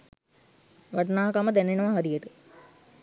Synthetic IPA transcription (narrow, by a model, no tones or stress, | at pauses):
ʋaʈnaːɦɐkaməd̪ænenəʋaɦaɾijəʈə